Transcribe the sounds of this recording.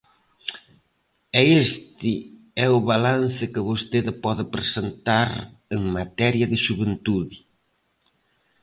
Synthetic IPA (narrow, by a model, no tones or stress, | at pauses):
ɛest̪ɪ | ɛʊβalanθɪkɪβost̪eðɪpɔðɪpɾesent̪aɾeŋmat̪ɛɾjɐðɪʃuβent̪uðɪ